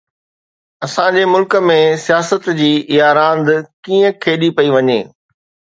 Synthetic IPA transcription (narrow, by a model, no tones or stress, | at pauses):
ɐsãɲd͡ʑemʊlkə̆mẽsijaːsət̪d͡ʑiːɪjaːɾãːnd̪kiːə̃kʰeːɗipɐiʋɐɲḛː